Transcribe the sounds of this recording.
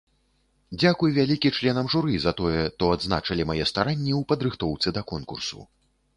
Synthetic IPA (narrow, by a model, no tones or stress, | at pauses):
d͡zʲakujvʲalʲikʲit͡ʂlʲɛnɐmʐuɾɨzɐt̪ɔjɛt̪ɔad̪zna̰t͡ʂɐlʲimajɛst̪aɾanʲːɛwpɐd̪ɾɨxt̪ɔwt̪sɨd̪ɐkɔnkṵrsṵ